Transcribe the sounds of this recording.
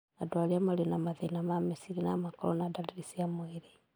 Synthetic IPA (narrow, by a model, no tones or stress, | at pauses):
adwaliamalinamaðenamamesiɾinamakoɾo̰nadaliɾisiamweɾe